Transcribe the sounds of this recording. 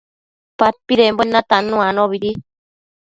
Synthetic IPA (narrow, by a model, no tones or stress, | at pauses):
pat̪̚piɾemboenːãt̪anũanõβiɾi